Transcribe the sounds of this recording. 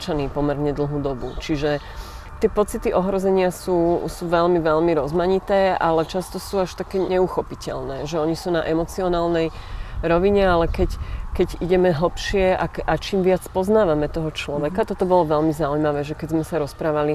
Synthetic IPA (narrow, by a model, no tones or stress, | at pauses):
t͡ʃaniːpɔmɛɾɲɛd̪l̩ˠɦuːd̪ɔbṵt͡ʃiʒɛ | t̪ɪɛpɔt͡sit̪iʔɔɦɾɔzɛɲɪasuːsuʋɛʎmiʋɛʎmiɾɔzmaɲit̪ɛːʔa̰lɛt͡ʃast̪ɔsuːaʃt̪akɛːɲɛuxɔpicɛ̰ʎnɛːʒɛɔɲisuːnaʔɛmɔt͡siɔnaːlnɛjɾɔʋiɲɛalɛkɛckɛɟiɟɛmɛɦl̩pʃɪɛakʔat͡ʃiːmʋɪat͡spɔznaːʋamɛt̪ɔɦɔt͡ʃlɔʋɛkat̪ɔt̪ɔbɔlɔʋɛʎmizaujmaʋɛːʒɛkɛzmɛsaɾɔspɾaːʋali